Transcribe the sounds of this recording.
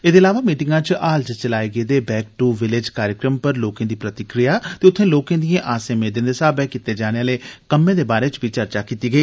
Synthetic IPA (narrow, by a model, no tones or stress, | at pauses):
eːd̪eːəlaːʋaːmiːʈɪŋɡãːt͡ʃʔaːld͡ʒt͡ʃəlaːiɡeːd̪eːbɛːk̚ʈuːʋɪlɪd͡ʒkaːɾjəkɾəmpəɾloːkãːd̪iːpɾət̪ɪkɾijaːt̪eːʊt̪ʰːẽːloːkãːd̪ijẽʔaːsẽːmeːd̪ẽnd̪eːsaːbɛːkɪt̪ːeːd͡ʒaːneaːleːkəmːẽːd̪eːbaːɾeːt͡ʃbiːt͡ʃəɾt͡ʃaːkiːt̪iːɡəiː